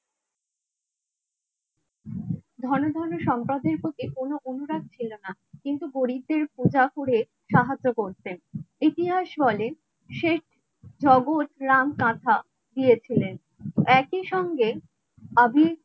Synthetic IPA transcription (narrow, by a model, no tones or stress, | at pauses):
d̪ʱɔɾnod̪ʱɔɾnoʃɔmpɾad̪eɾpɾot̪ikonoʔonuɾad̪̚t͡ɕʰilona | kint̪uɡoɾib̚d̪eɾpud͡ʑafuɾe | ʃaɦad͡ʑːokoɾt̪enit̪iɦaʃbɔlen | ʃeʈʰ | d͡ʑɔɡot̪ɾamkãt̪ʰa | d̪ijet͡ɕʰilen | ɛkiʃɔŋɡe | abʱi